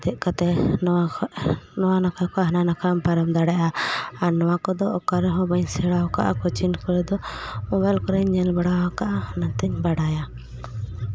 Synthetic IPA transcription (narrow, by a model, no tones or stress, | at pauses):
t̪ɛʔkat̪ɛ | nɔwanakʰakɔɦananakʰampaɾamd̪aɽaʔaːɾnɔwakɔd̪ɔʔɔkaɾɛɦɔ̃bəɲsɛɽawka̰ʔakɔt͡ʃinkɔɾɛd̪ɔuwɛlkɔɾɛɲɲɛlbaɽawakaʔahnat̪ɛɲbaɽaja